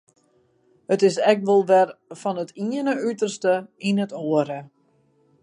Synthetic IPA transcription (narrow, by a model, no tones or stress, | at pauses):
hətɪsɛk̚ʋɔlˠʋɛrfɔnətʰiənəytərstəinətoəɾə